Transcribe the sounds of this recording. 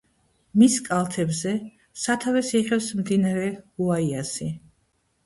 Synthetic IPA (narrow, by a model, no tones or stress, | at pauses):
miskʼalˠt̪ʰɛbzɛ | sat̪ʰavɛsiʁɛfsmd̪inaɾɛuaiasi